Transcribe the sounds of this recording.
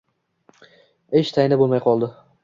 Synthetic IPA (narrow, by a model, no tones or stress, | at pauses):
eʃt̪ʰajɪnabolˠmajqʰɒlˠd̪ɪ